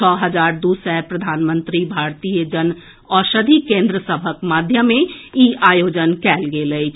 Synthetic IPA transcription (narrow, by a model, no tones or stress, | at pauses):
ɔːɦəd͡ʒaːɾd̪usɛpɾəd̪ʱaːnmə̃nt̪ɾibʱaːɾt̪ijəd͡ʒən | ɔːʃəd̪ʱikẽːnd̪ɾəsəbʱəkmaːd̪ʱjəmẽiʔaːjoːd͡ʒənkɛːlɡeləit͡ʃʰ